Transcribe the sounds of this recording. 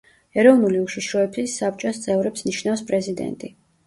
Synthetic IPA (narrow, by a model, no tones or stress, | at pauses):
ɛɾɔvnuliuʃiʃɾɔɛbsisap̚ʰt͡ʃʼɔst̪sʼɛvɾɛpsniʃnafspʼɾɛzid̪ɛ̰nt̪ʼi